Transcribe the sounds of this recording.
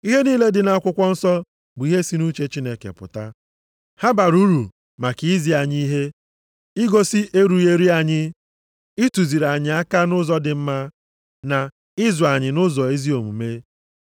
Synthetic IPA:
i˦ɦe˦niː˦le˦dɪ˨na˨˦kʷʊ˦kʷɔ˦n̩˦sɔ˦ | bʊ˨i˦ɦe˦si˦nu˦t͡ʃe˦t͡ʃi˦ne˨kḛ˨pʊ̰˨ta˦ | ha˦ba˨ɾu˦ɾu˨ | ma˨ki˨i˦zi˨˦a˨ɲi˦i˦ɦe˦ | ɪ˦ɡo˦si˦ʔe˦ɾu˨˦e˦ɾi˦a˨ɲɪ˦ | i˦tu˨zi˨ɾa˨ɲɪ˨a˦ka˦nʊ˦zɔ˦dɪ˨m̩˦ma˦ | na˨ | ɪ˦zɔ˨a˨ɲɪ˨nʊ˦zɔ˨e˦zi˦o˨mṵ˨me˦

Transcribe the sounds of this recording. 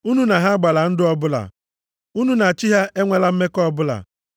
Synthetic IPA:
u˦nu˦na˨ɦa˦ɡ͡ba˨la˨n̩˦dɪ˦ɔ˦bʊ˦la̰˨ | u˦nu˦na˨t͡ʃi˦ɦa˦ʔe˦ŋʷe˦la˦m̩˦me˦kɔ˦bʊ˦la̰˨

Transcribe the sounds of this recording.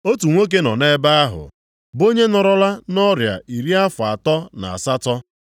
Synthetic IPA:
o˦tu˨ŋʷo˦k̬e˦nɔ˨ne˦ba˦a˦ɦʊ̰˨ | bo˦ɲe˦nɔ˨ɾɔ˦la˦nɔ˦ɾja̰˨i˨ɾi˦a˦fʊ˨a˨tɔ˦na̰˨a̰˨sa˦tɔ˦

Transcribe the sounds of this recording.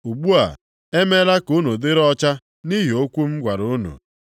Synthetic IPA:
u˨ɡ͡bu˦a̰˨ | e˦me˦la˦ku˦nu˨dɪ˦ɾɔ˦t͡ʃa˦ | ni˦ɦi˨o˦kʷu˦m̩˦ɡʷa˨ɾʊ˨˦nṵ˨

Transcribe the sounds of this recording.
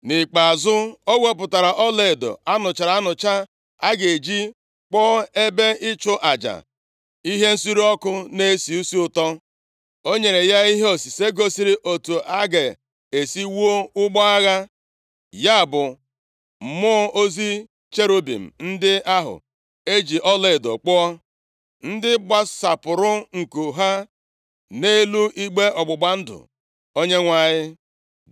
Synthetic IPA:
nɪ˨k͡pa˨zʊ˦o˦ɡʷe˦p̬ʊ˨ta˨ɾa˨ʔɔ˦le˨do̰˨a˦nʊ˨t͡ʃa˨ɾa˨˦nʊ˨t͡ʃa˦ | a˦ɡe˨d͡ʒi˦ | k͡pɔ˦e˦be˦ʔɪ˦t͡ʃʊ˦ʔa˨d͡ʒa̰˨ | i˦ɦe˦n̩˦si˦ɾi˦ɔ˦kʊ˦ne˦si˨u˦si˦ʊ˨tɔ˦ | o˦ɲe˨ɾe˨ja˦i˦ɦe˦o˨si˨se˦ɡo˦si˦ɾi˦ʔo˨tu˨ʔa˦ɡe˨ | e˨si˦wu˦o˦ʊ˦ɡ͡bɔ˦a˦ɣa˦ | ja˦˨bʊ˨ | mʊ˦o˦zi˦ | t͡ʃe˦ɾo˦bḭ˨m̩˨n̩˦dɪ˦a˦ɦʊ̰˨ | e˦d͡ʒi˨ʔɔ˦le˦˨do̰˨k͡pʊ˦ɔ˦ | n̩˦dɪ˦ɡ͡ba˦sa˨pʊ˨ɾʊ˦ŋ̩˨ko˨ɦa˦ | ne˦lu˦i˦ɡ͡be˦ʔɔ˨ɡ͡bʊ˨ɡ͡ba˦n̩˦dʊ̰˨ | o˦ɲe˦ŋʷa˨ɲɪ˦

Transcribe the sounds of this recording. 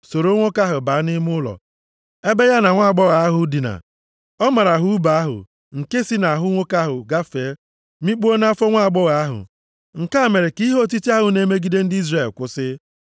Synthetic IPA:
so˨ɾo˦ŋʷo˦ka˦ɦʊ˨ba˨˦nɪ˦mʊ˦lɔ̰˨ | e˦be˦ja˦na˨ŋʷa˦a˨ɡ͡bɔ˦ɣa˨a˦ɦʊ˨˦di˨na̰˨ | ɔ˦ma˨ɾa˨ɦʊ˦u˦ba˨a˦ɦʊ̰˨ | ŋ̩˨ke˦si˦na˨a˨ɦʊ˦ŋʷo˦ka˦ɦʊ˨ɡa˦fe˨˦ | mi˦k͡po˦na˦fɔ˦ŋʷa˦˨ɡ͡bɔ˦ɣa˨a˦ɦʊ̰˨ | ŋ̩˨ka˦˨me˨ɾe˨ki˦ɦo˦˨ti˦ti˦a˦ɦʊ˨ne˦me˦ɡi˦de˦n̩˦di˦zre˦˨lkʷʊ˦sɪ˦

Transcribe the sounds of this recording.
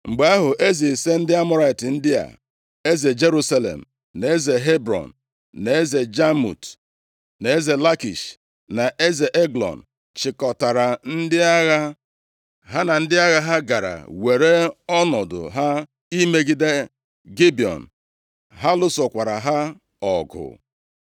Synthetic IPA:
ŋ͡m̩˨ɡ͡be˨˦a˦ɦʊ˨ʔe˦ze˨se˦n̩˦dɪ˦a˦mɔ˦ɾa˨ɪ˨tɪ˨n̩˦dɪ˦a̰˨ | e˦ze˨d͡ʒe˦ɾu˦sa˦lḛ˨m̩˨ | ne˨e˦ze˨ɦe˦bɾɔ̰˨n˨ | ne˨e˦ze˨d͡ʒa˦mṵ˨t | ne˨e˦ze˨la˦kḭ˨ʃ | na˨ʔe˦ze˨ʔe˦ɡlɔ̰˨n̩˨ | t͡ʃɪ˨kɔ˨ta˨ɾa˨n̩˦dɪ˦a˦ɣa˦ | ɦa˦na˨n̩˦dɪ˦a˦ɣa˦ɦa˦ɡa˨ɾa̰˨we˨ɾe˦ɔ˦nɔ˨dʊ̰˨ɦa˦ | i˦me˦ɡi˦de˦ | ɡi˦bi˨ɔ̰˨n̩˨ | ɦa˦lʊ˦sɔ˨kʷa˨ɾa˨ɦa˦ | ɔ˨ɡʊ̰˨

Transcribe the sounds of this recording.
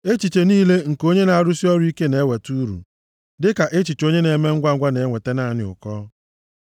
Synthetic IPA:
e˦t͡ʃi˨t͡ʃe˨niː˦le˦ŋ̩˨ko˦ɲe˦na˨a˨ɾʊ˦si˦ɔ˦ɾi˦ke˦ne˨˦we˨tu˦ɾṵ˨ | dɪ˦ka˨ʔe˦t͡ʃi˨t͡ʃo˦ɲe˦ne˨˦me˦ŋ̩˦ɡʷa˦ɡʷa˦ne˨˦ŋʷe˨te˦na˦a˨nɪ̰˨ʊ̰˨kɔː˦

